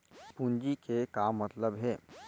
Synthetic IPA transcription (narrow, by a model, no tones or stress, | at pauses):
pund͡ʒikekamət̪ləbɦɛː